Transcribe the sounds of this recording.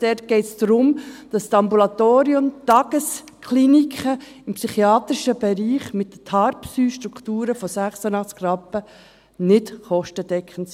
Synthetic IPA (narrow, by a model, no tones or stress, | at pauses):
d̥ɛt̚ɡ̥ɛɪtsd̥̪ɾʊmd̥ɑstɑmbulɑt̪oːɾiʊmt̪ɑɡ̥əs | kʰlinikχə | ɪmpsyχiɑːt̪ɾiʃəbɛɾiːχmɪt̚dətʰɑɾpsyːʃtɾukʰtuːɾəfɔsæχsənɑχt͡skɾɑpːə | nɪtχɔʃtəd̥ɛkχənt